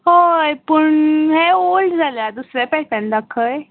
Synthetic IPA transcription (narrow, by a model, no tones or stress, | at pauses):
ɦojpəɳɦeolʈd͡zʱalad̪usɾɛpɛɦtãnd̪akʰːəj